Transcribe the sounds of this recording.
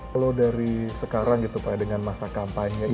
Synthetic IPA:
lodaɾisəkaɾaŋɡit̪upajadəŋanmasakampaɲɲa

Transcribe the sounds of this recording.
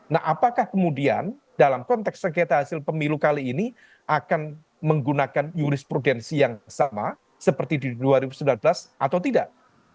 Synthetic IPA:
nahapakahkəmudia̰n | dalamkɔnt̪ɛksəkat̪aɦasɪlpəmilukaliːni | ʔakan | məŋɡunakanjuɾɪspɾudɛnsijaŋsama | səpərt̪ididuaɾibusəmbilanbəlasʔat̪awt̪idaʔ

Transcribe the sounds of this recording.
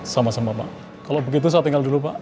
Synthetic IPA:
samasamapa̰ʔ | kalobəɡit̪̬us̬at̪iŋɡaldulupaʔ

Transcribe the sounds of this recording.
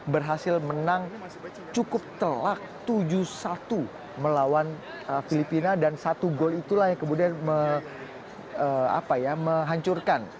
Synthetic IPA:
bərɦasɪlmənaŋ | t͡ʃukʊp̚t̪əlak̚t̪ud͡ʒusat̪u | məlawan | əfilipinadansat̪uɡolit̪ulahjaŋkəmudianmə | əa̰pajaməɦaɲt͡ʃurkan

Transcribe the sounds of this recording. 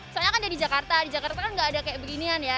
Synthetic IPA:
isalɲakandadid͡ʒakart̪adid͡ʒakart̪akanŋɡaːdakajaʔbəɡinianja

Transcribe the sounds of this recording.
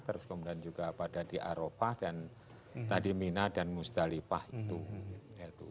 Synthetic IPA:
t̪əɾʊskəmudiand͡ʒuɡapadadiʔaɾopadan | t̪adiminadanmust̪alipahit̪ujat̪u

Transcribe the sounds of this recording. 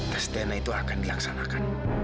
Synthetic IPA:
t̪ast̪enait̪uakanilaksanakan

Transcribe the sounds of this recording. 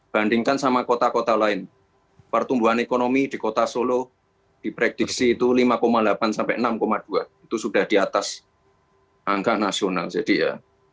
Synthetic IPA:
b̥andiŋkansamakot̪akot̪alaɪn | pərt̪umbuɦanekonomid̥i̤kot̪asolo | d̥i̤pɾɛk̚d̥ik̚siːt̪ulimakomalapansampɛʔənamkomad̥uanit̪usuɖ̥a̤hd̥iat̪as | ʔaŋkaʔnasionald͡ʒ̥ad̥ija̰

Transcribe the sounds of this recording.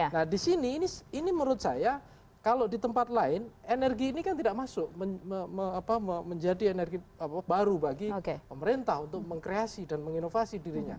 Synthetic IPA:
nahdisiniːniiniməɾʊt̪̚saja | kalodit̪əmpat̪̚laɪnenɛrɡiːnikant̪idaʔmasʊʔməəəapaməməɲd͡ʒadienɛrɡiaabaɾubaɡiokepəməɾint̪ahunt̪ʊk̚məŋkɾeasidanməŋinofasidiɾiɲa

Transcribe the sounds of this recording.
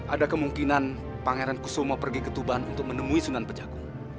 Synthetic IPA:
ʔadakəmuŋkinan | paŋeɾankusomapərɡikət̪ubaanunt̪ʊk̚mənəmuisunanpərd͡ʒaku

